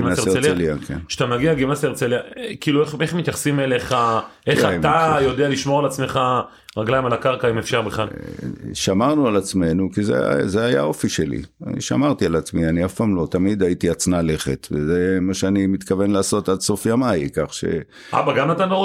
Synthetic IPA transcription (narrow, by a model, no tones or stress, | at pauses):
imnaseeleliakʰḛnʃḁt̪amaɡiaɡimnaseʁt͡seliakiːlueχeχmit̪jaχsimeleχaʔeχatajo̞d̪ealiʃmo̞alat͡sme̞χa | ʁaɡlajimalakaʁkaimefʃabeχa | ʃamaʁnualat͡sme̞nukizḛzeajao̞fiʃelḭa̰nḭʃa̰maʁt̪ialat͡smianiafpamlo̞t̪amid̪ajit̪iat͡snale̞χḛt̪vezemaʃeanimit̪kave̞nlaːso̞t̪adso̞fjamajkaχʃe̞̰ | ʔa̰baɡamat̪ano